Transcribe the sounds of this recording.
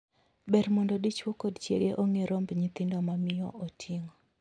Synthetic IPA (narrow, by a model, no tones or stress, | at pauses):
bɛɾmɔndɔdit͡ʃwokodt͡ʃḛɡeʔoŋeɾombɲɪt̪ɪndomamɪjɔ̰otʰiŋo